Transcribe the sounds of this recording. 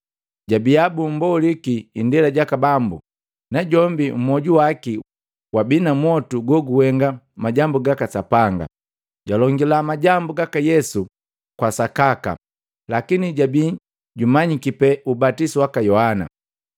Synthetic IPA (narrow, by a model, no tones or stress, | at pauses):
ɟabiabum̩bɔlikiːndɛlaɟakabambṵ | naɟɔmbim̩mɔɟuwaki | wabinamwɔtuɡɔɡuwɛŋɡa | maɟambuɡakasapaŋɡa̰ | ɟalɔŋɡilamaɟambuɡakajɛsu | kwasakaka̰ | lakiniɟabi | ɟumaɲikipɛʔubatisuwakajɔhana̰